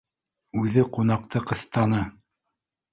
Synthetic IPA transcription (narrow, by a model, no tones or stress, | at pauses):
ʉðɘqunɑq̚t̪ɤqɤ̆θt̪ɑnɤ